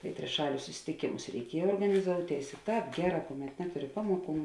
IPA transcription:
tɐɪ tʲrʲɪˈʃɑːlʲʊs sʊsʲɪtʲɪˈkʲeːmʊs rʲɛɪˈkʲiɛj oːrɡɐnʲɪˈzoːʊˌtʲeːɪs ɪ ˈtɑːp ˈɡʲæːˌrɑː kʊˌmʲɛt ˈnʲæːtʊˌrʲɪ ˈpɑːmoːˌkuː

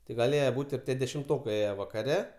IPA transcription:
tɐɪ ɡɐˈlʲeːjɛ ˈbuːtʲ ɪr ˈtʲiɛ dʲɛʃʲɪmˈtoːkɐɪ ˈeːjɛ ʋɐkɐˈrʲɛ

